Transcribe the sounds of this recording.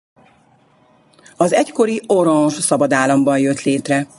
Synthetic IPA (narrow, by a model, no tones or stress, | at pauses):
ɒzɛcko̞ɾio̞ɾɒnʃsɒbɒd̪aːlːɒmbɒnjøt̪leːt̪rɛ